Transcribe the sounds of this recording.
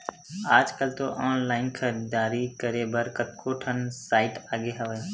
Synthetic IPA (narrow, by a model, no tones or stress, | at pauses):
aːd͡ʒkəlt̪oʔaːnlaːɪnkʰəd̪aːɾikəɾeːbəɾkət̪̚kʰoːʈʰənsaːɪʈaːɠeɦəʋeː